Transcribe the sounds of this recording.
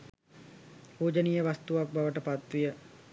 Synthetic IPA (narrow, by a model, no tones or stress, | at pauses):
puːd͡ʒənijəʋast̪uʋak̚baʋəʈəpat̪ʋijə